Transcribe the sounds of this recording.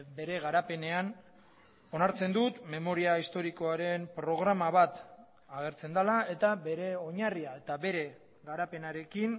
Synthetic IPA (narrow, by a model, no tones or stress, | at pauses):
be̞ɾe̞ɣaɾape̞ne̞an | o̞naɾt͡se̞nd̪ut̪me̞mo̞ɾiaist̪o̞ɾiko̞aɾe̞mpɾo̞ɣ̞ɾamaβat̪ | aɣ̞e̞ɾt͡se̞nd̪alae̞t̪abe̞ɾe̞o̞ɲariae̞t̪aβe̞ɾe̞ | ɣaɾape̞naɾe̞kin